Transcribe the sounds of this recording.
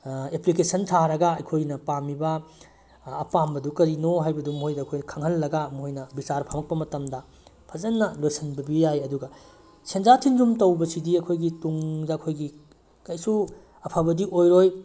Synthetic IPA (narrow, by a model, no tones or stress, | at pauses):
eplikesʰɐntʰaɾɐɡɐɐjkʰojnɐpamibɐː | pambɐdukɐɾinoɦajbɐdumɦojdɐːkʰojnɐkʰɐŋɦɐlːɐɡamuojnɐbisaɾpʰamɐk̚pɐmɐtɐmdɐ | pʰɐzɐnːɐlojsɐnbɐbijajɐduɡɐ | send͡ʒatʰind͡ʒumtɐwbɐsidiɐkʰojɡituŋdɐɐkʰojɡi | kɐjsu | ɐpʰɐbɐdiʔojɾoj